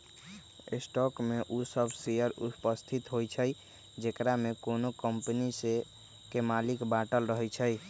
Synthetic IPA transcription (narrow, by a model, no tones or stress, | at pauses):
ḛsʈɔkmeʔusəbʱsijəɾṵpəst̪ʰit̪ɦojt͡ʃʰəj | d͡ʒekɾamekonokəmpənise | kemalikbaʈəlɾəɦəjt͡ʃʰəj